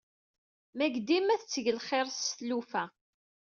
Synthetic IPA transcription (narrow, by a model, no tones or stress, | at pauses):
mæɡd̪imæθət͡sːəʝəlχeɾˤsθlufæ